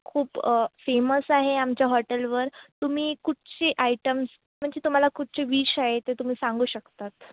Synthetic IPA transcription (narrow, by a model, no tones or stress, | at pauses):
kʰuːpfeməsaɦeamt͡ɕjaɦɔʈəlʋəɾt̪um̤iːkuʈt͡ɕeʔajʈəms | m̤əɳd͡zet̪um̤alakuʈ̚t͡ɕeʋiːɕaɦet̪et̪um̤iːsãŋɡuːɕəkt̪at̪